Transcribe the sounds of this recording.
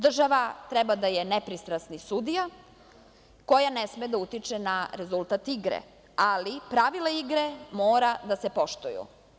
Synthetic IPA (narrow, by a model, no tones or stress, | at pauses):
d̪r̩ʒaʋat̪ɾɛbad̪ajenepɾist̪ɾasnisud̪ija | ko̞janesmed̪aut̪it͡ʃenaɾe̞zulˠt̪at̪iɡɾḛ | alipɾaʋilaiɡɾemoːɾad̪asepo̞ʃt̪ujṵ